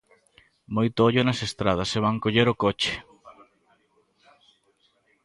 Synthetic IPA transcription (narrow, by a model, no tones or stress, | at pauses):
mojt̪ʊoʎʊnɐsest̪ɾaðɐseβ̞aŋkoʎeɾokot͡ʃe̥